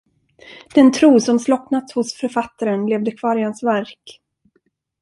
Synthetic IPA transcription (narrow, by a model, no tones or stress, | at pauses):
d̪̥ɛnt̪ʰɾuːsɔmslɔknat̪shʊsfœɾfat̪ːaɾənleːvd̪əkʰv̥ɑːɾɪhansvæɾk